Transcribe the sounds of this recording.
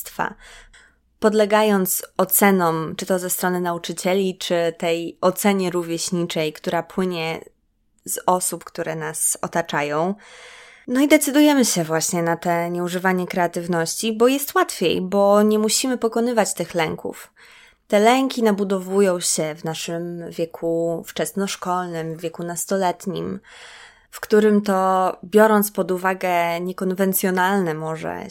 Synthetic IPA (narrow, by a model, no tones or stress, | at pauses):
t̪fa̰ | pɔd̪lɛɡajɔnt̪sɔt̪sɛnɔm̃t͡ʂɘt̪ɔzɛst̪ɾɔnɘnaut͡ʂɘt͡ɕɛlʲit͡ʂɘt̪ɛjɔt̪sɛɲɛɾuvʲjeɕɲit͡ʂɛjkt̪uɾapwɘɲɛ | zɔsupkt̪uɾɛnasɔt̪at͡ʂajɔ̃w̃ | nɔid̪ɛt̪sɘd̪ujɛmɘɕɛvwaɕɲɛnat̪ɛɲɛuʐɘvaɲɛkɾɛat̪ɘvnɔɕt͡ɕibɔjɛst̪wat̪fʲjḛjbɔɲɛmuɕimɘpɔkɔn̪ɘvat͡ɕt̪ɘxlɛŋkṵf | t̪ɛlɛŋkʲinabud̪ɔvujɔ̃w̃ɕɛvnaʂɘmvʲjɛkʰuft͡ʂɛsnɔʂkɔlnɘmvʲːjɛkunast̪ɔlɛt̪ɲḭm | fkt̪uɾɘmt̪ɔbʲjɔɾɔnt̪spɔd̪uvaɡɛɲɛkɔnvɛnt̪sʲjɔnalnɛmɔʐɛ̰